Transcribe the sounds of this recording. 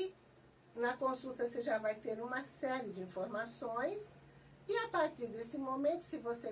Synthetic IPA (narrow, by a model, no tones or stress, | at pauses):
nɐkõsut̪ɐseʒavajt̪eɾũmɐsɛɾɪd͡ʒɪĩfoɾmasõj̃s | ɪapaɾt̪iɾd̪esɪmõmẽnt̪ʊ̥sɪvose